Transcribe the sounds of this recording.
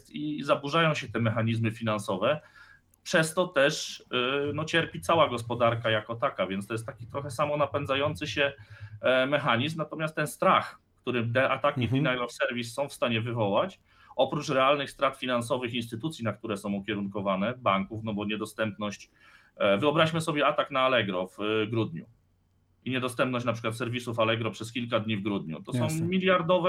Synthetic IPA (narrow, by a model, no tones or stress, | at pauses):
t̪izabuʐajɔ̃w̃ɕɛt̪ɛmɛxaɲizmɘfʲinansɔvɛ | pʂɛst̪ɔt̪ɛʂ | nɔt͡ɕɛɾpʲit̪sawaɡɔspɔd̪aɾkajakɔt̪akavʲjɛ̃nst̪ɔjɛst̪ːakʲit̪ɾɔxɛsamɔnapɛnzajɔnt̪sɘɕɛ | mɛxaɲizmnat̪ɔmʲast̪ːɛnst̪ɾax | kt̪uɾɘmd̪ɛʔat̪akʲid̪inajlɔfsɛɾvʲisːɔ̃w̃fst̪aɲɛvɘvɔwat͡ɕ | ɔpɾut͡ʂɾɛalnɘxst̪ɾat̪fʲinans̬ɔvɘxinst̪ɘt̪ut̪sʲjinakt̪uɾɛsɔ̃w̃ukʲɛɾuŋkɔvanɛbaŋkufnɔbɔɲɛd̪ɔst̪ɛmp̚nɔɕt͡ɕ | vɘɔbɾaɕmɘsɔbʲjɛat̪aknaːlɛɡɾɔvɡɾud̪ɲṵ | iɲɛd̪ɔst̪ɛmp̚nɔɕt͡ɕnapʂɘkwat̪sɛɾvʲisufalɛɡɾɔpʂɛskʲilkad̪ɲivɡɾud̪ɲṵt̪ɔsɔ̃w̃mʲilʲjaɾd̪ɔvɛ